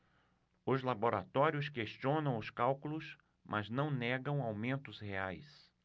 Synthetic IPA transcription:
ʊzlaboɾat̪ɔɾiʊskeʃt͡ʃiõnɐ̃w̃ʊskawkulʊs | mʔaznɐ̃w̃nɛɡɐ̃w̃awmẽnt̪ʊsheajs

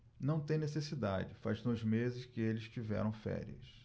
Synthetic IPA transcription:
nɐ̃w̃t̪ẽj̃nesesid̪a̰d͡ʒɪfaznõzmezɪskɪelɪst͡ʃivɛ̰ɾɐ̃w̃fɛ̰ɾiɐ̰s

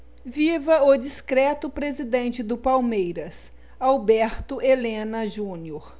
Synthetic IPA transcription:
vivɐʊd͡ʒiskɾɛt̪ʊpɾezid̪ẽnt͡ʃɪd̪ʊpawmejɾɐs | awbɛɾt̪ʊʔelẽnɐʒũnioɾ

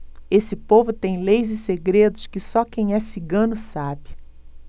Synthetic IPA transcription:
esɪpovʊt̪ẽj̃lejzɪseɡɾed̪ʊʃkɪsɔkẽj̃ɛsiɡɐ̃nʊsabɪ

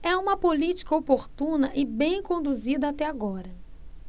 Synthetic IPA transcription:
ɛũmɐpolit͡ʃi̥kɐopoɾt̪ũnɐʔɪbẽj̃kõnd̪uzid̪ɐat̪ɛaɡɔɾɐ

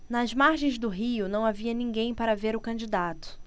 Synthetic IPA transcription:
nɐzmaɾʒẽj̃zd̪ʊɦiʊnɐ̃w̃aviɐnĩɡẽj̃paɾɐveɾʊkɐ̃d͡ʒid̪at̪ʊ̥

